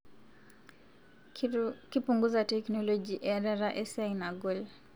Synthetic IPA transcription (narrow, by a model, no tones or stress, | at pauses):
kipuŋɡuzatɛknɔlɔɡiʔɛɾaɾaʔɛsainaɡɔl